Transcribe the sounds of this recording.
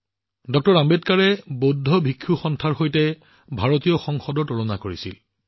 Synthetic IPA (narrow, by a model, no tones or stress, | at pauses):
dɔk̚tɔɹambetkaɹɛbodʱɔbʱikʰːuxɔntʰaɹxojtɛ | bʱaɹotijɔxɔŋxɔdɔɹtolɔnakoɹisḭl